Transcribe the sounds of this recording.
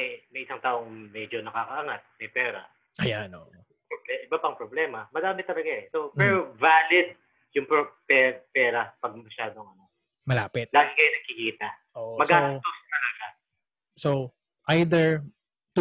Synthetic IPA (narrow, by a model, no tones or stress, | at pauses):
ɛmɐjʔɪsaŋt̪aːʔo̞ŋmɛd͡ʒo̞nɐkakɐʔaŋat̪̚mɐjpɛːɾɐ̰ | ʔɐjanʔoʔo | poblɛʔɪbapɐŋpɾoblɛːmɐmɐɡaːmɪt̪ːɐlɐɡaɛsopɛɾovaːlɪd̪̚ | jʊŋpopɛːpɛːɾɐpɐɡ̚mɐʃaːd̪o̞ŋɐno̞ | mɐlaːpɛt̪̚laŋɡɐjnɐɡ̚kɪkiːt̪ɐʔoʔmɐɡʔaːnɐt̪ost̪ɐlɐɡa | so | ʔajd̪ɛɹ | t̪